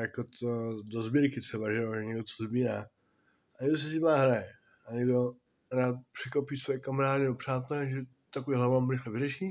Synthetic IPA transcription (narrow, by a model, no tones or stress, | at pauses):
jakot̪odozbiɾkɪt̪r̥ɛbaʒɛoɛɲɛɡdot͡s̪ozbiːɾaː | aɲɛɡdos̬ɛtɪmaːɦɾajɛ | aɲɛɡdo | ɦɾaːt̪̚pr̥ɪkopisvojɛkamaɾaːdɪnɛbopr̥aːt̪ɛlɛʒɛ | t̪akoviɦlamamɾɪxlɛvɪrɛʃi